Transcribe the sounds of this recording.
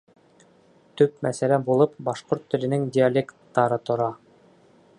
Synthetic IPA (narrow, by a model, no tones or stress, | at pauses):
t̪ɵpmæsælæbulˠɤp̚bɑʃqoɾt̪ːɵ̆lɘ̆nɘŋdʲɪalʲekt̪ːɑɾɤt̪ŏɾɑ